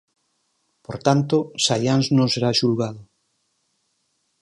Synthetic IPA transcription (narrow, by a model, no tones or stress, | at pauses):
poɾt̪ant̪osajanznõŋseɾaʃulɣaðʊ